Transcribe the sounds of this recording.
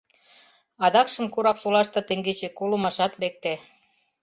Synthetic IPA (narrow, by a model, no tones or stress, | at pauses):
ɑd̪ɑkʃə̆mkuɾɑksolɑʃt̪ɤ̆t̪ĕŋɡet͡ɕekolə̆mɑʃɑt̪lek̚t̪e